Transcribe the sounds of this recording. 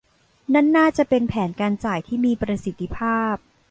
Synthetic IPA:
na˥˩nːaː˥˩t͡ɕa˨˩pe˧npʰɛː˩˦nkaː˧nt͡ɕaː˨˩jt̪ʰiː˥˩miː˧pɾa˧si˨˩t̪ʰːi˧pʰaː˥˩p̚

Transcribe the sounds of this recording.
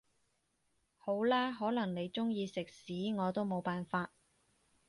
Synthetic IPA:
ho˨˥wlaː˥ɦɔː˨˥lɐ˨˩ŋne˨˧jt͡sʊ˥ŋjiː˧sɪ˨k̚siː˨˥ŋɔː˨˧t̪o˥wmo˨˧wpaː˨nfaː˧t̚

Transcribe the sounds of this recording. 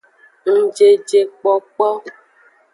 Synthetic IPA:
ŋ̩˦d͡ʒe˦d͡ʒe˦k͡pɔ˦k͡pɔ˦

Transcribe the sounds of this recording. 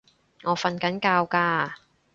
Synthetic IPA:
ŋɔː˨˧˥fɐ˧nkɐ˨˥nkaː˧wkaː˧

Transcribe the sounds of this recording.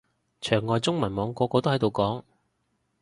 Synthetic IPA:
t͡ʃʰœː˨˩ŋːɔː˨˧jt͡sʊ˥ŋmɐ˨˩nmɔː˨˧ŋkɔː˨˧kɔː˧t̪o˥whɐ˨˥jt̪o˨wkɔː˨˥ŋ

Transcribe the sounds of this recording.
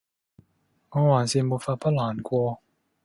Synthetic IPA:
ŋɔː˧waː˨˩nsi˧nmu˧˩faː˧pʰa˥laː˨˩nkʷwɔː˧

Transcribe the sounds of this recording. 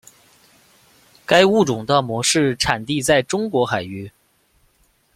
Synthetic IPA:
ka˥ɪu˥˩ʈ͡ʂʊ˨˩ŋt̪ə˥˧mwɔ˧˥ʂɻ̩˥˩ʈ͡ʂʰa˨˩nt̪i˥˧t͡sa˥˩ɪʈ͡ʂʊ˥ŋkwɔ˧˥xa˨˩ɪy˧˥

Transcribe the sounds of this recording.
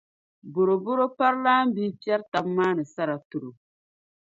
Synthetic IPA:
bʊ˨ɾo˨bʊ˦ɾo˦pa˦ɾlaː˦m˦biː˦pi˦ɛ˦ɾta˨˦mːaː˦nɨ˨sa˦ɾa˨tu˨ɾu˨

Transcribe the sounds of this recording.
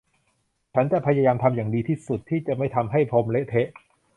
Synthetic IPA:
t͡ɕʰa˦˥nt͡ɕa˨˩pʰa˧ja˧jaː˧mt̪ʰa˧mjaː˨˩ŋdiː˧t̪ʰiː˥˩su˨˩t̪ʰːiː˥˩t͡ɕa˨˩ma˥˩jt̪ʰa˧mɦa˥˩jpʰo˧mle˦˥t̪ʰe˦˥ʔ

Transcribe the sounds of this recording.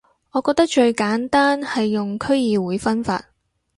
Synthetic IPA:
ɔː˨˧kɔː˧k̚t̪ɐ˥k̚t͡ʃɵ˧ɥkaː˨˥nt̪aː˥nhɐ˨jːʊ˨ŋkʰɵ˥ɥjiː˨wuː˨˥jfɐ˥nfa̰ː˧t̚

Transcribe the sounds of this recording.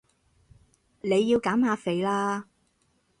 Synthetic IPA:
ne˨˧jːiː˧wkaː˨˥mhaː˨˧fe˨˧jlaː˧

